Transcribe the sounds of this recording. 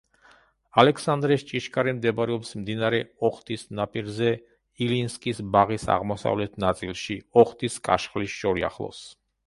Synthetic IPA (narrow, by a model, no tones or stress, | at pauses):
alɛksand̪ɾɛst͡ʃʼiʃkʼaɾimd̪ɛbɾɛɔpsmd̪inaɾɛɔχt̪ʼisnapʼiɾzɛ | ilinskʼisbaʁisa̰ʁmɔsa̰vlɛt̪ʰnat̪sʼilˠʃiɔχt̪ʼiskʼa̰ʃχlisʃɔɾia̰χlˠɔ̰s